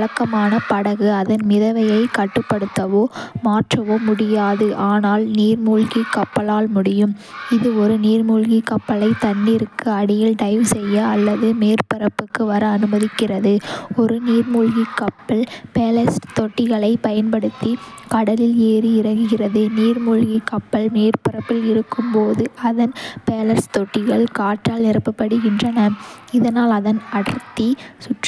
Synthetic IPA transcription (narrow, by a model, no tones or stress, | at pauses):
ɭɐkːɐmaːnɐpɐɽɐɣɯɐðɐnmɪðɐʋɐjɐɪkɐʈːɯpːɐɽɯt̪ːɐʋoːmaːʈrɐʋoːmʊɽɪjaːðɯʔaːnaːlniːɾmuːɭɣikːɐpːɐlaːlmʊɽɪjɯm | ɪðɯɔɾɯniːɾmuːɭɣikːɐpːɐlɐɪt̪ɐnːɪɾɯkːɯɐɽɪjɪlɖɐɪʋsɛjːɐːlːɐðɯmeːɾpɪɾɐpːɯkːɯʋɐɾɐːnɯmɐðɪkːɪrɐðɯɔɾɯniːɾmuːɭɣikːɐpːɐɭpeːlɐsʈt̪ɔʈːɪɣɐɭɐɪpɐjɐnpɐɽɯt̪ːikɐɽɐlɪleːɾiɪɾɐɣɡɯɣɪrɐðɯniːɾmuːɭɣikːɐpːɐɭmeːɾpɪɾɐpːɪlɪɾɯkːɯmpoːðɯɐðɐnpeːlɐɾst̪ɔʈːɪɣɐɭkaːʈɾaːlnɪɾɐpːɐpːɐɽɯɣɪndrɐnɐɪðɐnaːlɐðɐnɐɽɐɾt̪ːisʊʈr